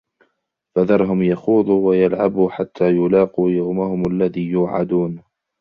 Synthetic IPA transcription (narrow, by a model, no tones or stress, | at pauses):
faðɑɾˤɦʊmjaxuːðˤuːwajalʕabuːħat̪ʰːaːjʊlɑːquːjawmahʊmalːaðiːjʊːʕa̰d̪uːn